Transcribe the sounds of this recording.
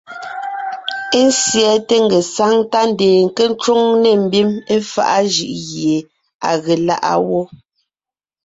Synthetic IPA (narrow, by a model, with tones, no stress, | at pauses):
e˦n̩˦sjɛ˨˦te˦ŋ̩˦˨ɡe˨sa˦ŋta˦n̩˨deː˨ŋ̩˨ke˦n̩˦t͡ʃwo˦ŋne˨m̩˦bi˦me˦fa̰˦ʔa˦ʒɯ˨ʔɣje˨ | a̰˨ɣe˨la̰˦ʔa̰˦wo˦